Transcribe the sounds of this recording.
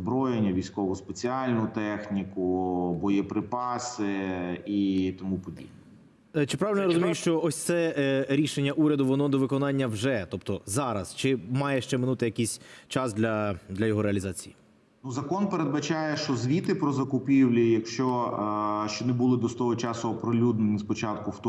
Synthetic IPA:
bɾɔjenʲːɐʋʲijsʲkɔʋʊspet͡sʲiɑlʲnʊt̪ɛxnʲikʊbɔjɛpɾɪpɑsɪit̪ɔmupɔdʲḭjnɛ | t͡ʃɪpɾɑʋelnɔɔɾɔzʊmijʊʃt͡ʃɔʔɔsʲt̪sɛɾʲiʃenʲːɐʔuɾʲɐd̪ʊʋɔnɔd̪ɔʋɪkɔnɑnʲːɐwʒɛt̪ɔpt̪ɔzɑɾɐst͡ʃɪmɑjɛʃt͡ʃɛmɪnut̪ɪjɐkisʲt͡ʃɑsd̪lʲɐd̪lʲɐjɔɦɔɾeɐlʲizɑt͡sʲiji | nuzɐkɔnpeɾed̪̚bɐt͡ʃajɛʃt͡ʃɔzʋʲit̪ɪpɾɔzɐkʊpʲiwlʲijɐkʃt͡ʃɔ | ʃt͡ʃɔnɛbulˠɪd̪ɔst̪ɔɦɔt͡ʃɑsʊɐpɾɪlʲud̪nɪnʲispɔt͡ʃɑt̪kʊwt̪

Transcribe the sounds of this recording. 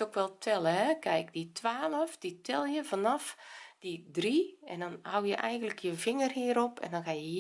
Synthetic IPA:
tokʋɛlˠtʰɛlˠəɦɛkɛjkditʰʋaːləfd̥itʰɛlˠjəvanɑfd̥idriɛ̰ndɔnhawjəʔɛjɣəndləkʰjəvɪŋərhiəɾopɛ̰ndɔnxajə

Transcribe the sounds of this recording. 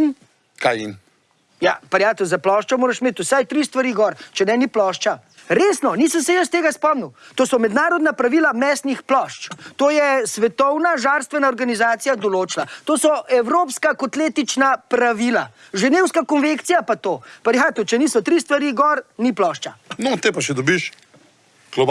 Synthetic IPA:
n | kajḭn | japɐɾjaːt̪əwzaplɔʃt͡ʃɔmoːɾaʃmeːt̪usajt̪ɾiːst̪ʋaɾiːɡɔɾt͡ʃɛnɛniplɔːʃt͡ʃa | ɾeːsnɔniːsəmsɛjəst̪eːɡaspɔmniwt̪oːsɔmɛd̪naːɾɔd̪napɾaʋiːlamɛsnixplɔʃt͡ʃt̪oːjɛsʋɛt̪ɔwnaʒaːɾst̪ʋɛnaɔɾɡanizaːt̪sijad̪ɔloːt͡ʃlat̪oːsɔʔɛwɾoːpskakot̪leːt̪it͡ʃnapɾaʋiːla | ʒɛneːwskakɔnʋekt̪sijapat̪oːpaɾixat̪ut͡ʃɛniːsɔt̪ɾiːst̪ʋaɾiːɡɔɾniplɔːʃt͡ʃanɔt̪epaʃɛd̪obiʃ | ɡ̥lɔb

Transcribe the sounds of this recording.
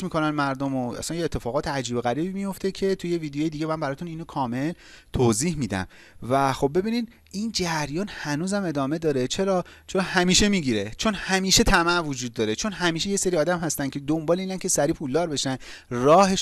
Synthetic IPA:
miːkʰo̞nænmæɾd̪omoʔæ̰sænjeːt̪ʰːe̞fɒːɣɒːt̪ʰeæd͡ʒiːbeɣæɾiːbimijo̞ft̪ʰe̞cʰe̞t̪ʰuje̞viːd̪ejeːjed̪iːɟe̞mænbæɾɒːt̪ʰuniːnokʰɒːme̞l | t̪ʰoːziːhmiːd̪æ̰m | væxo̞b̚ːe̞biːnid̪ | ʔind͡ʒæɾjɒːnhænuːzæme̞d̪ɒːme̞d̪ɒːɾe̞t͡ʃʰe̞ɾɒːt͡ʃʰoɾhæmiːʃe̞miːɟiɾe̞t͡ʃʰo̞nhæmiːʃe̞t̪ʰæmæʔvod͡ʒuːd̪̚ːɒːɾe̞t͡ʃʰonɦæmiːʃe̞jese̞ɾiːɒːd̪æmhæst̪æncʰed̪ombɒːleiːnænkʲʰe̞sæɾiːpʰuld̪ɒːɾbe̞ʃæn | rɒːhe̞ʃ

